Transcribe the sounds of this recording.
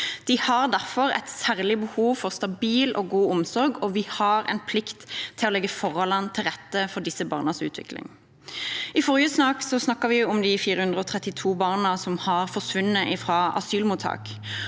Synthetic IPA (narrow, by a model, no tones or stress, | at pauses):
d̪̥ɪhɑʁd̪æʁfɔʁɛ̰ɪt̪sæːʁlɪbəhuːʋfɔʁst̪ɑbiːlɔɡuːʊmsɔʁɡɔʋɪhɑɾɛ̰ɪnpʰlɪkt̪ʰːɪlɔlɛɡːəfɔʁɔlɑnt̪ʰːɪlʁɛt̪ːəfɔʁd̪ɪsəbɑ̰ːʁnəsʉ̰ːt̪ʰʋɪ̰klɪ̰ŋ | ɪfɔʁɪəsnɑːksɔsnɑkːəʁʋɪʊmd̪ɪfiːɾəhʉnd̪ʁəɔt̪ʰʁɛt̪ːɪt̪ʰuːbɑːʁnəsɔmhɑʁfɔʁsʋʉnːəʔɪfʁɑːʔɑ̰syːlmuːt̪ʰːɑ̰ːk